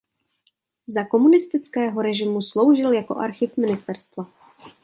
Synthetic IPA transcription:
zako̞munɪst̪ɪt͡skɛːɦo̞ɾɛʒɪmuslo̞wʒɪljako̞̰ʔaɾxɪfmɪnɪst̪ɛɾst̪va

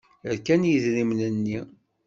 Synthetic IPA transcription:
əɾkænjiðɾimnənːi

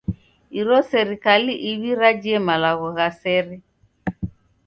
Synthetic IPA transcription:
iɾɔsɛɾikaliʔiβiɾad͡ʒiɛmalaɣɔɣasɛɾɛ

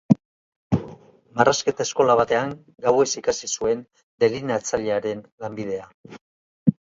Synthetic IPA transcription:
maraske̞t̪aesko̞laβ̞at̪e̞aŋ | ɡawe̞sikasisue̞n | d̪e̞linat͡saʎeaɾe̞nlambið̞e̞a

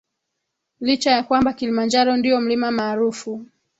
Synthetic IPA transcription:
lit͡ʃajakwambakilimand͡ʒaɾɔndiɔm̩limamaːɾufu

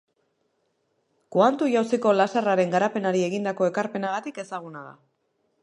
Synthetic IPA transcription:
kuant̪uʝawsiko̞lasaraɾe̞ŋɡaɾape̞naɾie̞ɣind̪ako̞e̞kaɾpe̞naɣ̞at̪ike̞saɣ̞unaða̰

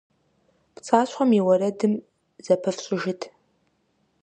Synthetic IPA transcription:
pt͡sʼaːɕʷχɔmiwɐɾɐdɨm | zɐpʰɨfɕʼɪʒɪtʰ

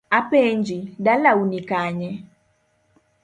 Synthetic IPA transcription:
apɛɲd͡ʒiɗalaunikaɲɛ

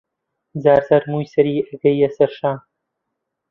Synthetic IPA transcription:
zaːɾsɐɾmuːjsɐɾiːɐɡɐjɐsɐɾʃaː

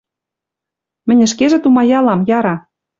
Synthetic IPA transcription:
mɘ̆nʲɘ̆ʃkeʒĕt̪umɑjɑlɑmjɑɾɑ

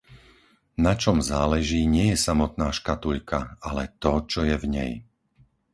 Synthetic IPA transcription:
nat͡ʃɔmzaːlɛʒiːɲɪɛjɛsamɔt̪̚naːʃkat̪uʎkʰaalɛt̪ɔt͡ʃɔjɛvɲɛ̰j

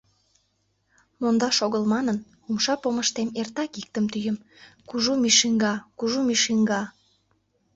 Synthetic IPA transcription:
mond̪ɑʃoɣəlmɑnən | umʃɑpoməʃt̪emert̪ɑkik̚t̪əmt̪yjəm | kuʒumiʃiŋɡɑkuʒumiʃiŋɡɑ

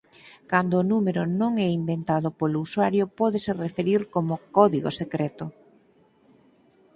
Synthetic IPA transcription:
kand̪oːnumeɾʊnõŋɛimbent̪aðopolouswaɾjopɔðeserefeɾiɾkomʊkɔðiɣo̰sekɾɛt̪ʊ

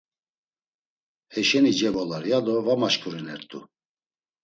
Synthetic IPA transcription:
hɛʃɛnid͡ʒɛvɔlaɾjad̪ɔvamaʃkʼuɾinɛɾt̪ʼṵ

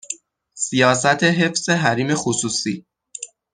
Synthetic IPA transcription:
sijɒːs̬æt̪ʰe̞ɦe̞fse̞ɦæɾiːme̞xosuːsiː

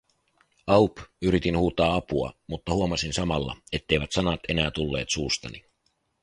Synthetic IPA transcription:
ɑupyɾit̪inhuːt̪ɑːɑpuɑ̰mut̪ːɑhuomɑsinsɑmɑlːɑ̰e̞t̪ːe̞jʋæt̪sɑnɑt̪e̞næːt̪ulːe̞̰ːt̪suːst̪ɑ̰ni

